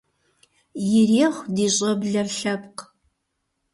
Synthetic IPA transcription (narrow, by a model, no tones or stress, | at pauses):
jɪreːχʷdiːɕʼɐbɮɐrɬɐp̚q